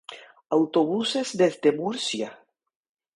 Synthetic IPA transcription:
awt̪oβusezd̪ezd̪emuɾsja

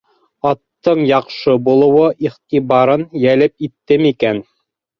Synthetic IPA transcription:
ɑt̪ːɤɴjɑqʃɤbulˠɤ̆wɤʔiχt̪iβɑɾɤnjælɘp̚it̪ːɘmikæn

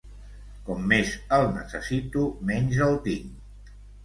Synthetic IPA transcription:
kɔmːezəlˠnəsəsit̪umɛɲzəlˠt̪iŋ

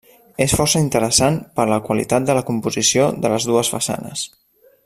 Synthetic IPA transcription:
esfɔrsəint̪əɾəsanpəɾləkwəlḭt̪at̪̚d̪ələkumpuzisioðələzðuəsfə̰sa̰nə̰s

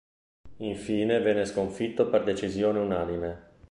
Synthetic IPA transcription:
iɱfiːnevɛnːeskoɱfit̪ːoperd̪et͡ʃizjoːneunaːnime

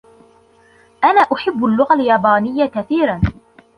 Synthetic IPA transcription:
ʔanaːʔʊħɪbːʊlːʊɣaljaːbaːnɪjːakaθiːɾan

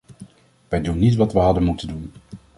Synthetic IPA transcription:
ʋɛjdunːitʋɑtʋəɦɑdənmutəndun

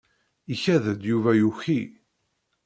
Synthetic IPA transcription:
içæðəd̪juvæjuçi

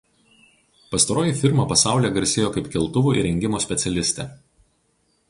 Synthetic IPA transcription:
pɐst̪ɐɾoːjiˑfʲɪɾmɐpɐsɑˑʊlʲɛːɡɐɾʲsʲeːjoːkɐɪpkʲɪlˠt̪ʊʋuːɪ̰ɾʲɛŋʲɡʲɪmoːsʲpʲɛt̪sʲɛlʲɪsʲt̪ʲɛːˑ

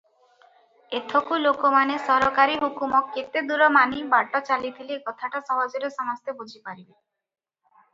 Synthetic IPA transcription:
et̪ʰokulokomanesɔɾɔkaɾiɦukumɔkːet̪ed̪uɾɔmanibaɽʈɔt͡ɕalit̪ʰilekɔt̪ʰaʈasɔbad͡ʒoɾesɔmɔst̪ʰebud͡ʑʱipaɾibe

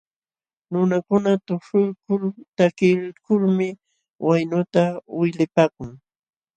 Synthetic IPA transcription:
nʊnakʊnat̪ʊʂʊɾkʊlt̪akɪlkʊlmɪ | wajnʊt̪awɪjlɪpaːkʊŋ

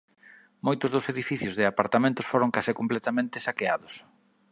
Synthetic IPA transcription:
mojt̪ʊzðʊseðifiθjʊzðɪapaɾt̪amẽnt̪ʊsfoɾʊŋkasɪkomplɛt̪amẽnt̪ɪsakeaðʊs

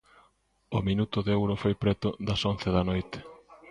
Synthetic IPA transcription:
ʊminut̪ʊðewɾʊfojpɾɛt̪ʊðɐsonθeðɐnojt̪ɪ̥

